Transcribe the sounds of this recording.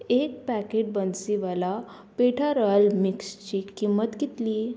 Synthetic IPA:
ek̚pækeʈ̚bənsiʋəla | peʈʰaɾəlmikst͡ɕiːkimːət̪ɡit̪liː

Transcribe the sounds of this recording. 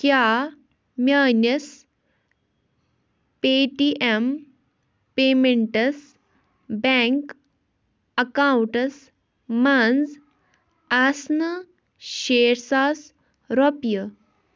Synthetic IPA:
kja | mʲjaːnjəs | peʈiʔem | pemeɳʈəs | bɛ̃ŋk | əkawuɳʈəs | mãnd͡z | asnə | ɕeɾsas | ɾɔpjə

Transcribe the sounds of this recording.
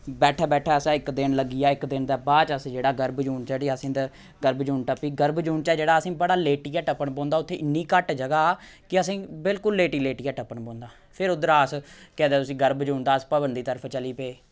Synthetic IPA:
bɛːʈʰaːbɛːʈʰaːəsãːɪkd̪ɪnləɡiːjaːɪkd̪ɪnd̪aːbaːd͡ʒəsd͡ʒeːɽaːɡəɾbd͡ʒuːnt͡ʃɛːɽiːəsĩːd̪ə | ɡəɾbd͡ʒuːɳʈəpiːɡəɾbd͡ʒuːɳt͡ʃɛːd͡ʒeːɽaːəsĩːbəɽaːleːʈiːjaːʈəpːəɳpõːnd̪aːʊt̪ʰːeːʔɪnːiːkəʈd͡ʒəɡaːkɪəsĩːbɪlkʊlːeːʈiːleːʈiːaːʈəpːəɳpɔ̃ːnd̪aː | pʰɪɾʊd̪əɾaːəskɛ̃ːd̪eːt̪ʊsĩːɡəɾbd͡ʒuːnd̪aːəspəbənd̪iːt̪əɾəpʰt͡ʃəliːpeː

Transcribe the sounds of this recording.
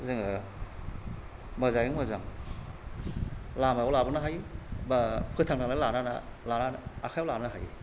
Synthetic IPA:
zɯŋa | mazajɯŋmɯzaŋ | lamaalabɯnaɦajbapʰɯtʰaŋnaŋlalanana̰lananːkʰajawlamnaɦa̰j

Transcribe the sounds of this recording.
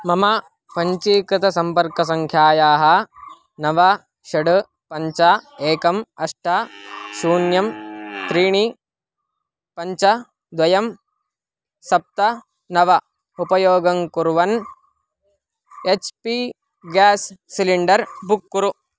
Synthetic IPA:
mɐmɐ | pɐɲt͡ʃiːkɾɪt̪ʰɐsɐmpɐɾkɐs̬ɐŋkʰjaːjaːɦɐ | nɐʋɐ | ʃɐɽɐ | pɐɲt͡ʃɐeːkɐmɐʂʈʰɐsuːnjɐmt̪ɾiːɳi | pɐɲt͡ʃɐ | d̪ʋɐjɐm | sɐp̚t̪ɐ | nɐʋɐ | upɐjoːɡɐŋkuɾʋɐn | et͡ʃpi | ɡaːsːiliɳɖɐɾbukːuɾu

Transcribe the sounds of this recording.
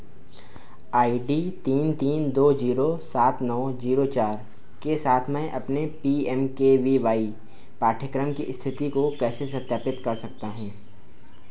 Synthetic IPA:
aːiɖiːt̪iːnt̪iːnd̪oːd͡ʒiːɾosaːt̪nɔːziːɾot͡ʃaːɾ | kesaːt̪ʰmɛ̃ʔɐpnepiːɛmkeʋiʋaːi | paːʈʰəkɾəmkiʔst̪ʰɪt̪ikokɛːsesɐt̪ːjaːpɪt̪kɐɾsɐk̚t̪aɦɛ̃ː

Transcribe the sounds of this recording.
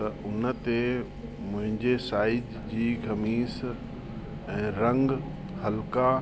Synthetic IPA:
tɐʔʊnə̆t̪e | mʊ̃ɦɪ̃ɲd͡ʑesaːɪd͡ʑ | d͡ʑiːɡɐmiːs | ɛ̃ːɾɐ̃ŋɡ | hɐlka

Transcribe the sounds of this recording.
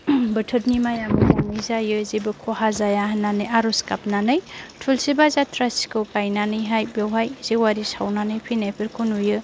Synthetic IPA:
bɯtʰɯt̚nimajamɯmɔŋmizajɯzibɯkʰoɦazajaɦanːanɯjaɾɔskap̚nanɯjtʰulsibazatʰɾasi̥kɯwkajnanɯjɦajbjawɦajz̥ewaɾisawnanɯjpʰinajpʰiɾkʰunujɯ

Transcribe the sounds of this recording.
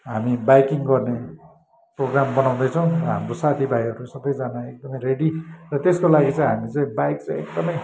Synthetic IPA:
ɦamibajkiŋɡʌrne | proɡrambʌnaw̃d̪ʌjt͡sʰʌw̃ʌɦamrosat̪ʰibajʌɾusʌbʌjd͡zanaek̚d̪ʌmʌjɾeɽirʌt̪eskolaɡit͡sãĩɦamit͡saĩbajk̚t͡sãĩek̚d̪ʌmʌj

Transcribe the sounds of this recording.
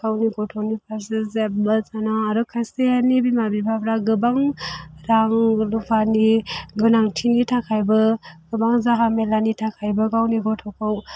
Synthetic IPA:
ɡ̥awniɡɔtʰonipʰazɯzebɯzanaaɾɯkʰajseanibimabibabɾaɡɯbaŋɾaŋlupʰaniɡɯnaŋtʰinitʰakʰajbɯɡ̥ɯbaŋzaɦamelanitʰakʰajbɯɡawniɡɔtʰɔkʰaw

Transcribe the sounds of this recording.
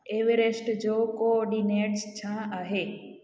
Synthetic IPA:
eʋeɾesʈd͡ʒokoɔɾɖineʈst͡ʃʰãʔəɦe

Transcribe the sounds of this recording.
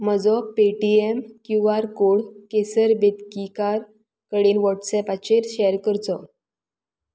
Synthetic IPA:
məd͡zɔpeʈiemkjuaɾkoɽkesəɾbet̪kikaɾ | kəɽiːnʋɔʈsɛpat͡ɕeɾɕɛjəɾkəɾt͡sɔ

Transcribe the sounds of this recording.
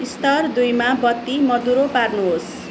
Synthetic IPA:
ist̪ʌrd̪ujmabʌt̪ːimʌd̪uɾoparnuɦos

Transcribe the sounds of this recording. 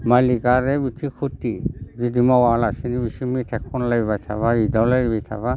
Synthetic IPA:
malikaɾɛbit̪ʰikʰutizid̪imawalasinibisimit̪ʰɛkʰːɔnlaibajt̪ʰa̰βaidalaibajt̪ʰa̰ba

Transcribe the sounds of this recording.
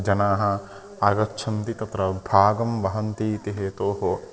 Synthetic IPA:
d͡ʒɐnaːɦɐ | aːɡɐtːt͡ʃʰɐnt̪it̪ɐt̪ɾɐbʱaːɡɐmʋɐɦɐnt̪iːt̪iɦet̪oːɦo

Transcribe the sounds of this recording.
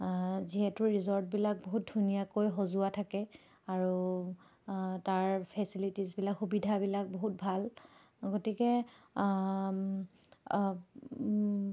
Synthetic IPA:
ziɦɛtʊɹizɔɹt̚bilak̚boɦut̚dʱunijakojɦozuatʰakɛ | aɹu | taɹpʰɛsilitizbilakxubidʱabilak̚boɦut̚bʱal | ɡotikɛ

